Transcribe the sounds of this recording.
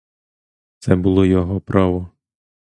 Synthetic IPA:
t̪sɛbʊlˠɔjɔɦɔpɾʔɑʋɔ

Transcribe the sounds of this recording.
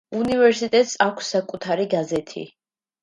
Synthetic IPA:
univɛɾsit̪ʼɛt̪ʼsakʷʰsːakʼut̪ʰaɾiɡazɛt̪ʰḭ

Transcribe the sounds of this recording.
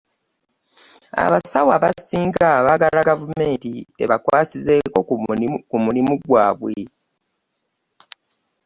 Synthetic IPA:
a̰βasawaβassiːŋɡaβaːɡalaɡavume̞ːntie̞̰βakwaːsizeːko̞kumulimuɡwaːβwe

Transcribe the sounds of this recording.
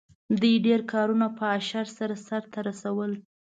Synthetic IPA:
d̪ujɖeɾkʰɑɾunapəaʃaɾsaɾasaɾt̪aɾasawəl

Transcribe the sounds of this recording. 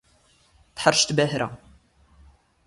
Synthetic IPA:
θħəɾʃt̪bæhɾæ̰

